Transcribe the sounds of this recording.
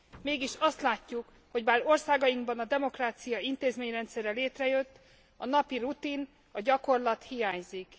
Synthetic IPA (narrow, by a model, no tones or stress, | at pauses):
meːɡiʃɒst̪laːcːuk | ho̞ɟbaːrorsaːɡɒjiŋɡbɒnɒd̪ɛmo̞kraːt̪sijɒint̪eːzmeːɲrɛnt̪sɛrɛleːt̪rɛjø̞t̪ː | ɒnɒpirut̪in | ɒɟɒko̞rlɒt̪hijaːɲzik